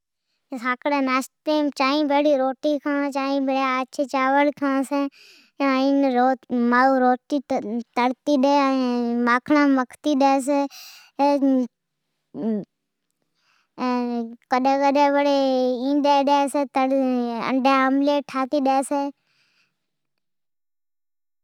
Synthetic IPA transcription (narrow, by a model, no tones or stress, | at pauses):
sãːkɽeːnaːsʈpɾeːmt͡ʃaːĩːbʱeːɽiːɾoːʈiːkʰãːt͡ʃaːĩbeɽaaːt͡ʃet͡ʃaːʋəlkʰãːse | ĩnɾomaːuɾoːʈit̪əɽt̪iːɗeːmaːkʰɳãːməkʰt̪iːɗeːs̬e | kəɗẽːkəɗẽːʋəɽeːĩːɗeːɗeːseːt̪əə̰ɳɖʱeːəmleːʈʰaːt̪iːɗeːseː